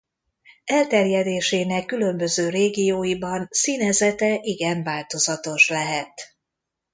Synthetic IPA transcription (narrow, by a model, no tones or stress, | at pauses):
ɛlt̪ɛrjɛd̪eːʃeːnɛkːylø̞mbø̞zøːɾeːɡijoːjibɒnsiːnɛzɛt̪ɛʔiɡɛɱvaːlt̪o̞zɒt̪o̞ʃlɛɦɛt̪